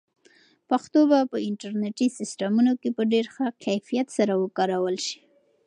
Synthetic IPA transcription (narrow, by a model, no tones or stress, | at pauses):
paxt̪obapəɪɳʈaɾneʈisɪsʈamunokepəɖeɾxakajfijat̪saɾawəkɑɾawəlʃi̥